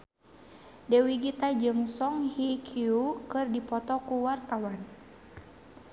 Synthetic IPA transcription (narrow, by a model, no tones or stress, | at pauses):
dɛwiɡit̪ad͡ʒɨŋsɔŋhikʰiukɨrdipɔt̪ɔkuwart̪awan